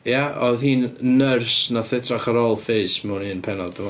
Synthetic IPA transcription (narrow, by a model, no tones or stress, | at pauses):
jaɔðhiːnnərsnaθɪtʰraχaɾɔlˠfeɨsmuniənpʰɛnɔdəm